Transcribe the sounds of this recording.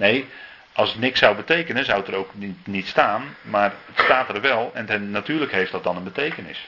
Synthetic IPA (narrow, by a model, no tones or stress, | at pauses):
nej | ʔɔlˠsətnɪksawbətejkənəzawətəroːknitstaːnmarətstaːtərʋɛlˠɛntɛːatyːələkɦejft̚dɔt̚dɔnənbətejkənɪ̰s